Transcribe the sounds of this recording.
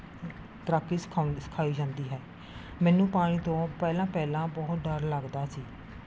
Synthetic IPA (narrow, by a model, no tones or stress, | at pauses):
t̪əɾaːkːiːskʰːsə̥kʰaːiːd͡ʒãːnd̪iːɦɛː | mɛːnũːpaːɽ̃iːt̪õːpɛːlãːpɛːlãːbɔɦt̪ɖəɾləɡd̪aːsiː